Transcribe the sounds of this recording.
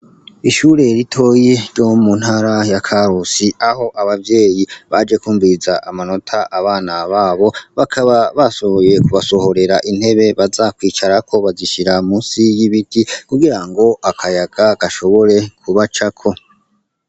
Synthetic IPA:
iʃuːɾe̞ɾitʰo̞je̞ɾɟo̞munhaɾajakʰaɾusiaho̞ʔaβavje̞ːjiβad͡ʒe̞kuːɱvizaʔamano̞tʰaʔaβaːnaβaːβo̞βakʰaβaβasoojekuβaso̞ho̞ɾe̞ɾaʔin̥he̞βe̞βazakwiːt͡ʃaɾakʰo̞βaziʃiɾamuːnsijiβitikuɡiɾaŋɡo̞akʰajaɡ̥akaʃo̞βo̞ɾe̞kʰuβat͡ʃakʰo̞

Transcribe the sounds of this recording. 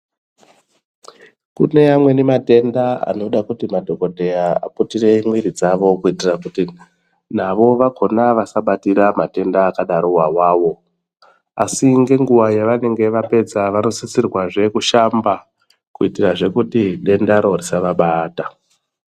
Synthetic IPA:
kṵne̞amwe̞nemate̞ndaa̰no̞ɗakutimadʱo̞ko̞dʱe̞jaa̰putire̞imwiɾid͡zaʋo̞kuitirakuti | n̤aʋo̞ʋakʰo̞naʋasaɓatiɾamate̞ndaːkaɗaɾowawaːʋo̞ | asiŋɡe̞ŋɡuʋajaʋane̞ŋɡe̞ʋape̞d͡zaʋano̞sit͡sirwaʐe̞kuʃamba | kuitiraʐe̞kutiɗe̞ndaɾo̞risaʋaɓaːta

